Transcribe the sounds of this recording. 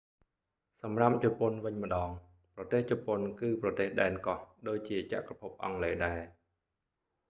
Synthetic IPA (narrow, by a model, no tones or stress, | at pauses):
sɑmrap̚t͡ɕɔponʋɨɲmə̆ɗɑːŋ | prɑt̪eːht͡ɕopːonkɨːprɑt̪eːhɗaɛnkɑhɗoːc̚t͡ɕiət͡ɕa̰ʔkrɑpʰup̚ʔɑ̰ŋleːɗaɛ